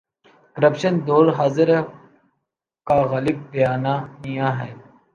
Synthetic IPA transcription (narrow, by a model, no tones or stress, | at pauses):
kəɾəpʃənd̪oːɾɦaːzɪɾ | kaːɣaːlɪb̚bəjaːnaːnijãːɦɛː